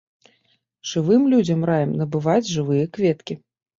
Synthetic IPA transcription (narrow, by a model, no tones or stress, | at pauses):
ʐ̥ɨvɨmlʲud͡zʲɐmrajɐmnɐbɨvad͡zʲʐɨvɨjɐkvʲɛt̪kʲi